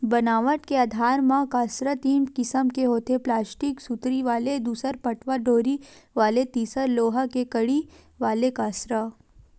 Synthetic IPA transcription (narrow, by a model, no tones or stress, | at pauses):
bɐnaːʋəʈkeaːd̪ʱaːɾmãkaːsɾət̪iːmkɪsəmkeɦoːt̪eplaːsʈiksut̪ɾiʋaːled̪uːsəɾpɐʈʋaɖoːɾiʋaːlet̪iːsəɾloːɦakekɐɽi | ʋaːlekaːsɾə